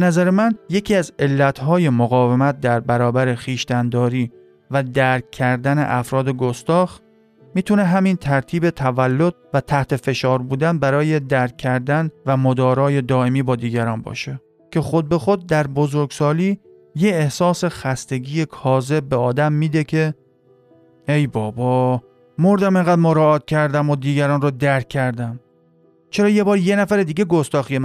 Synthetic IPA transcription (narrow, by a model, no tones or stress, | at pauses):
b̥enæzæɾemænje̞cʰiːæze̞lːæt̪ʰɦɒːje̞moɣɒːvemæt̪̚d̪æɾbæɾɒːbæɾe̞χiːʃt̪ænd̪ɒːɾiː | væd̪æɾkʰːæɾd̪æne̞̰ʔæfɾɒːd̪e̞ɡost̪ɒːx | miːt̪ʰune̞ɦæmint̪ʰæɾt̪ʰiːbe̞t̪ʰævælːo̞d̪̥̚væt̪ʰæht̪ʰe̞fe̞ʃɒːɾbuːd̪ænbæɾɒːje̞d̪æɾkʰːæɾd̪ænvæmod̪ɒːɾɒːje̞d̪ɒːe̞miːbɒːd̪iːɟæɾɒːnbɒ̰ːʃe | cʲʰe̞xod̪̚be̞xod̪̚d̪æɾbozoɾɡsɒːliː | je̞ːhsɒːse̞xæst̪e̞ɡiːjekʰɒːze̞b̚be̞ɒːd̪æmːiːd̪e̞kʰe̞ | ejbɒːbɒː | moɾd̪æme̞ŋɡæd̪moɾɒːɒːt̪̚kcʰæɾd̪æmod̪iːɡæɾɒːnrod̪æɾkʲʰːæɾd̪æm | t͡ʃʰe̞ɾɒːje̞bɒːɾje̞næfæɾed̪iːɡeɡost̪ɒːxijem